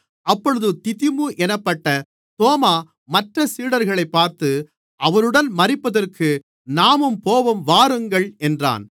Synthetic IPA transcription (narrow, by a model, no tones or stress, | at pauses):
ʔɐpːɔɻɯðɯt̪ɪtɪmuʔɛnɐpːɐʈːɐ | t̪oːmaː | mɐʈrɐsiːɽɐɾɣɐɭɐɪpːaːɾt̪ɯ | ʔɐʋɐnɯɽɐnmɐrɪpːɐðɐrkʰɯ | naːmɯmpoːʋɐmʋaːɾɯŋɡɐɭɛndra̰ːn